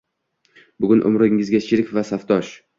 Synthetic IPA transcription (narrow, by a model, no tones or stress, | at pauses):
bʊɡʲʊnʔʊ̰mɾɪŋːɪzɡʲaʃʰɪɾɪkʲvasaft̪ʰɒʃ